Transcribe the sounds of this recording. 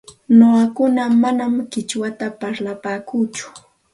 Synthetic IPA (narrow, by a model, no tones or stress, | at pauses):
noɢakʊnamanamɢɪt͡ʃwat̪apaɾlapaːkut͡ʃʊ̥